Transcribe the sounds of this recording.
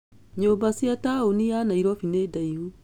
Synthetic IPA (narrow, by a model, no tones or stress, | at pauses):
ɲobasiataonianaiɾɔfinedaihu